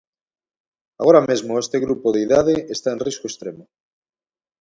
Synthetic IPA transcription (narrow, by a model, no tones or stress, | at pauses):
a̰ɣoɾamezmoest̪eɣɾupoðeiðaðeest̪aenriskoest̪ɾemo